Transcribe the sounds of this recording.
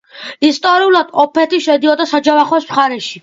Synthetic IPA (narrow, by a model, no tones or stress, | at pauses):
ist̪ʼɔɾiulˠad̪̥ɔpʰɛt̪ʰiʃɛd̪iɔd̪asad͡ʒavaχɔsmχaɾɛʃi